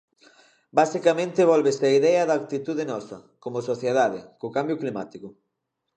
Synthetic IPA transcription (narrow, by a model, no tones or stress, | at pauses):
basikamẽnt̪ɪβɔlβeseaiðɛɐðak̚t̪it̪uðenɔsɐ̰komosoθjeðaðɪkokambjʊklima̰t̪ikʊ